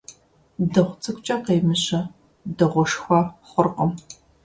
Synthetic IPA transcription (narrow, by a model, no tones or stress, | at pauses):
dɐʁʷt͡sʰʼɨkʷʼt͡ʃʼɐqeːmɨɕɐ | dɐʁʷɔʂxʷɐχʷʊrqəm